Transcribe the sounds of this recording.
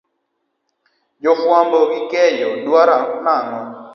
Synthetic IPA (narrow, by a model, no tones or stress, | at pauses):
d͡ʒɔfwambɔɡikɛjɔdwaɾanaŋɔ